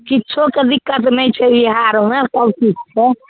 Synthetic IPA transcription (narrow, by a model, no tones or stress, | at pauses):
kiːt͡ʃʰoked̪ikːət̪nɛt͡ʃʰɛbiɦaɾmesəbkit͡ʃt͡ʃʰɛ